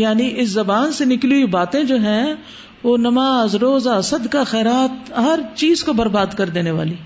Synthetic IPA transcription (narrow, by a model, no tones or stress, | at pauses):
jaːniʔɪszɐbaːnsenɪkluibaːt̪ẽd͡ʒoːɦɛ̃ | ʋoːnɐmaːzɾoːzaɐsəd̪kaxɛːɾaːt̪̚ɦɐɾt͡ʃiːzkobɐɾbaːd̪kɐɾd̪eːneʋa̰ːliː